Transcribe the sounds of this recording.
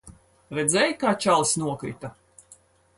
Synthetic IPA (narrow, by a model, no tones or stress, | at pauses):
ɾɛd̪zɛjkaːt͡ʃalˠsʲnuɔkɾḭt̪a